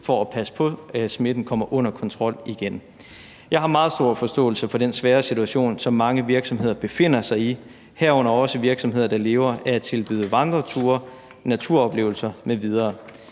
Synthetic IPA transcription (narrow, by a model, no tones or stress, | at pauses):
fɒæpʰæsə̥pʰɒ̽sme̝d̥n̩kʰɒ̽m̰ɐʔɔ̽n̰ɐkʰɒ̽nt͡sʰʁɒ̽l̰iɡ̥en | jɑ̈ɪɦɑ̈mɑ̈ːð̞̩ˠsd̥o̝ɐfɒ̽sd̥ɔ̰̽ːl̩səfɒ̽d̥ensʋɛːɐsit͡sʰuæɕo̝̰ːnsɒ̽mːɑ̈ŋəʋiɐɡ̥sɒ̽mɦe̝ð̞̰ˠɐb̥e̝fe̝n̰ɐsɑ̈ɪi | hæɐ̰ɔ̽n̰ɐɒ̽səʋiɐɡ̥sɒmɦe̝ð̞ˠɐd̥ɑ̈le̝ːʊɐʔæɐæt͡sʰe̝lb̥yðˠəʋɑ̈nd̥ʁɐt͡sʰuɐ | næt͡sʰuɐ̰ɒ̽b̥le̝ːʊl̩sɐmeʋið̞ˠɐː